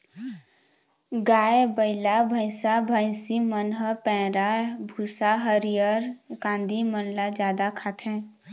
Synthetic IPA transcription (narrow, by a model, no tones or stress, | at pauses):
ɡaːebəɪlabʱəɪsabʱə̃ɪsimənɦəpɛ̃ːɾabʱuːsaɦəɾijəɾkãːnd̪imənlad͡ʒjaːd̪akʰaːt̪ʰɦɛ̃ː